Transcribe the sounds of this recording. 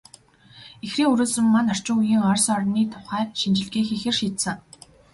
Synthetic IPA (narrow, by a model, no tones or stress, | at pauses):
exriːŋɵɾuːsɘ̆mːanɔr̥t͡ɕɪ̆ŋujiːŋɔrsɔrniːt̪ʰʊ̥χæːkʃint͡ɕɪ̆ɮɡiːxixɘ̆rʃiːt̪sɘ̆ŋ